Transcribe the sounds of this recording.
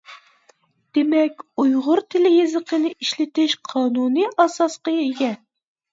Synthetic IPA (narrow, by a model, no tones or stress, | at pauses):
d̪̥emɛkʲujʁʊɾt̪ʰɪlɪjezəqənɨʔiʃlɪt̪ɪʃqʰɑːnunɨʔɑsɑsqɑjeɡʲɛn